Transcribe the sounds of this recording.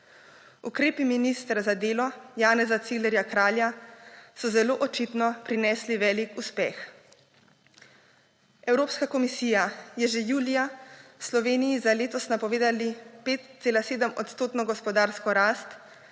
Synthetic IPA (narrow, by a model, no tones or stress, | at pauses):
ukɾeːpiminist̪ɾazad̪eːlɔjaːnɛzat̪silɛɾjakɾaːljasɔzɛloːʔɔt͡ʃit̪nɔpɾinɛːsliʋɛːlikuspɛːx | ɛwɾoːpskakɔmisiːjajɛʒɛjuːlijaslɔʋeːnijizaleːt̪ɔsnapɔʋeːd̪alipeːt̪seːlaseːd̪əmɔt̪st̪oːt̪nɔɡɔspɔd̪aːɾskɔɾaːst̪